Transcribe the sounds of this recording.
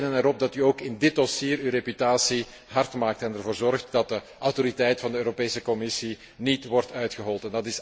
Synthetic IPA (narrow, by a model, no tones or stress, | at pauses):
dənɛɾɔb̚dɑtyoːkɪndɪt̚dɔsiːɾywrepytaːsi | ɦɑrtmaːk̚tɛnərvoːrzɔrxtdɑt̚də | ʔawtoɾitɛjtfɑndəøːɾopeːsəkɔmɪsi | nitʋɔrtœɥtxəɦɔlˠtɛndɑtɪs